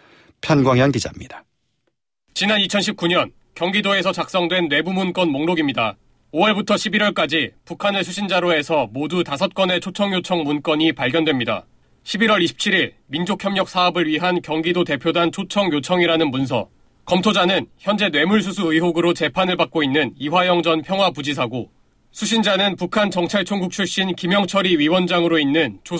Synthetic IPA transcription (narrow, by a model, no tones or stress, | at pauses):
pʰjʌnɡwaŋjʌnɡid͡ʑamɲid̥a | t͡ɕinanit͡ɕʰʌnɕʰip̚k͈uɲʌn | kjʌŋɡidoe̞sʰʌt͡ɕak̚s͈ʌŋdwe̞nːwe̞bumunk͈ʌnmoŋnoɡimɲida | oʌɭbutʰʌɕʰibiɾwʌɭk͈ad͡ʑipukʰanɯɭsʰuɕʰind͡ʑaɾoe̞sʰʌmodutasʰʌt̚k͈ʌne̞t͡ɕʰot͡ɕʰʌŋjot͡ɕʰʌŋmunk͈ʌɲipaɭɡʲjʌndwe̞mɲida̰ | ɕʰibiɾwʌɾiɕʰi̥p̚t͡ɕʰiɾiɭ | mind͡ʑokʰjʌmɲʌk̚s͈ʰaʌbɯɭɥiɦankjʌŋɡidote̞pʰjodant͡ɕʰot͡ɕʰʌŋjot͡ɕʰʌŋiɾanɯnmuns̬ʰʌ̰ | kʌmtʰod͡ʑanɯnçjʌnd͡ʑe̞nwe̞muɭs̬ʰusʰuɯɦoɡɯɾot͡ɕe̞pʰanɯɭbak͈̚oinːɯniwajʌŋd͡ʑʌnpʰjʌŋɦwapud͡ʑis̬ʰaɡo | sʰuɕʰind͡ʑanɯnpukʰant͡ɕʌŋt͡ɕʰaɭt͡ɕʰoŋɡuk̚t͡ɕʰuɭɕ͈inkimjʌŋt͡ɕʰʌɾiɥiwʌnd͡ʑaŋɯɾoinːɯnt͡ɕʰo